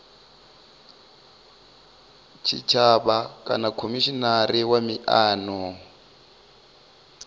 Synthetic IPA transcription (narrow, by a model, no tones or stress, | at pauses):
t͡ʃʰḭt͡ʃʰaɓakʼa̰nakʰomiʃɔnaɾiwamiʔaːnɔ